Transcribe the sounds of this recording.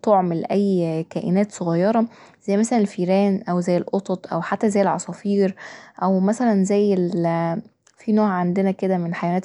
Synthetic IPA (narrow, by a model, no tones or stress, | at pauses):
t̪oʕmelʔæjːkæːʔenæːt̪sˤoɣɑjːɑɾˤɑ | z̥æjːmæsælænelfiːɾæːnʔæwzæjːelʔot̪ˤot̪ˤʔæ̰wħat̪ːæzæjːelʕɑ̰sˤɑfiːɾʔæwmæsælænzæjːel | finoːʕʕand̪enæked̪æmenħajæwænæːt̪